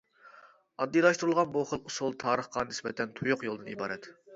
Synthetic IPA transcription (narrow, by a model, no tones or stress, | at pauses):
ɑd̪ːijlˠɑʃt̪uɾɨlˠʁɑnbuχəlˠusulˠt̪ʰɑːɾəχqɑnɪsbɛt̪ʰɛnt̪ʰujʊqjolˠd̪ɨnibɑ̰ːɾɛt̪